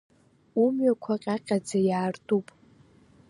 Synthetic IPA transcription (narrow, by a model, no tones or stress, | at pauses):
umɥakʷʰaqʲʼaqʲʼad͡zajaːrtʼupʼ